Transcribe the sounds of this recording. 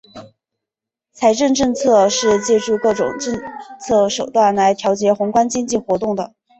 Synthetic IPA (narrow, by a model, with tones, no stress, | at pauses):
t͡sʰa˧˥ɪʈ͡ʂə˥˧nʈ͡ʂɤ˥˧ŋt͡sʰɤ˥˧ʂɻ̩˥˧t͡ɕjɛ˥˧ʈ͡ʂu˥˧kɤ˥˩ʈ͡ʂʊ̰˨˩ŋʈ͡ʂə˥˧nt͡sʰɤ˥˩ʂo˨˩ʊt̪wa˥˩nla˧˥ɪt̪ʰjɑ˧˥ʊt͡ɕjɛ˧˥xʊ˧˥ŋkwa˥nt͡ɕi˥ŋt͡ɕi˥˩xwɔ˧˥t̪ʊ˥˩ŋd̪ə˩